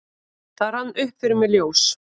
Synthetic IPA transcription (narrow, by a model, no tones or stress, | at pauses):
θaɾ̥hanːʏhpfɪɾʏmɛljoːws